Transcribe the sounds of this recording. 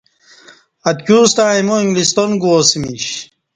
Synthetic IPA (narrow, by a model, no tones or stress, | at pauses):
ɐt̪kʲuːst̪aːimoĩŋɡlist̪onɡuosimiɕ